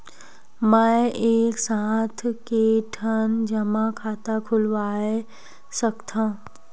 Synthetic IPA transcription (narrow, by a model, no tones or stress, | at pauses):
mə̃eːksaːt̪ʰkeʈʰənd͡ʒəmãkʰaːt̪akʰʊlʋaːe | səkt̪ʰã